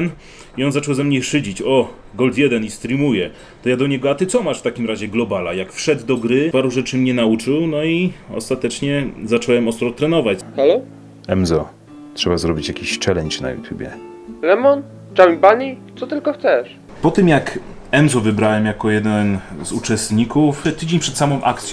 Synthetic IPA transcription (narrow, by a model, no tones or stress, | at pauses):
n | iɔnzat͡ʂɛwzɛmɲɛʂɘd͡ʑit͡ɕɔ | ɡɔlt̪jɛd̪ɛnist̪ɾʲimujɛ | t̪ɔjad̪ɔɲɛɡɔat̪ɘt̪sɔmaʂft̪akʲimɾaʑɛɡlɔbalajakfʂɛd̪d̪ɔɡɾɘpaɾuʐɛt͡ʂɘmɲɛnaut͡ʂɘwnɔiɔ̰st̪at̪ɛt͡ʂɲɛzat͡ʂɔwɛmɔst̪ɾɔt̪ɾɛnɔvat͡ɕxalɔ | ɛmzɔ | tʂɛbazɾɔbʲit͡ɕjakʲiɕt͡ʂɛlɛɲt͡ɕna̰jṵt̪ʲjubʲjɛ̰ | lɛmɔn | t͡ʂawʲipaɲit̪sɔt̪ɘlkɔxt̪sɛʂ | pɔt̪ɘmjakɛmzɔvɘbɾawɛmjakɔjɛd̪ɛnzut͡ʂɛst̪ɲikuft̪ɘd͡ʑeɲʲpʂɛt̪samɔ̃w̃ʔa̰kt̪sʲ